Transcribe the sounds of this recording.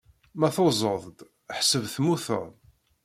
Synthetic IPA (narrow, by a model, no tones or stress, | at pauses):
mæθozˤəðˤd̪ | ħsəvθmuθə̰ðˤ